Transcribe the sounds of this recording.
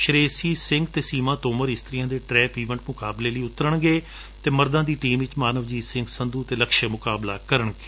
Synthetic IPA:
ʃəɾeːsiːsɪ̃ŋɡt̪eːsiːmãːt̪oːməɾɪst̪ɾijãːd̪eːʈɾɛːpiːʋə̃ɳʈmʊkaːbleːləiːʊt̪əɾəɳɡeː | t̪eːməɾd̪ãːd̪iːʈiːmʋɪt͡ʃmaːnəʋd͡ʒiːsɪ̃ŋɡsənd̪uːt̪eːləkʃəmʊkaːblaːkəɾəɳɡeː

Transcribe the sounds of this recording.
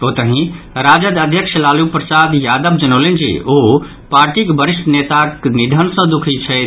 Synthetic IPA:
oːt̪əɦĩ | ɾad͡ʒəd̪əd̪ʱjəkʃəlaːlupɾəsad̪jaːd̪əbd͡ʒənolend͡ʒḭo | paːɾʈikbəɾist̪net̪aknid̪ʱənsə̃d̪ukʰit͡ʃʰɛ

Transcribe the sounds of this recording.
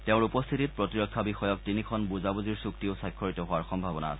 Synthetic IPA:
teʊ̃ɹupɔst̪ʰitit̚pɹɔtiɹɔkʰːabixɔjɔk̚tinikʰɔnbuzabuziɹsuktiosajkʰːɔɹitɔɦowaɹxɔmbʱabɔna̰a̰sɛ

